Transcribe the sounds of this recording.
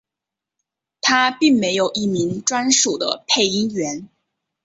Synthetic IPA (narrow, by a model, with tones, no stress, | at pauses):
t̪ʰa˥pi˥˩ŋme˧˥ɪjo˨˩ʊʔi˥˩mi˧˥ŋʈ͡ʂwa˥nʂu˨˩d̪ə̰˦pʰe˥˩ɪi˥ɥɛ˧˥n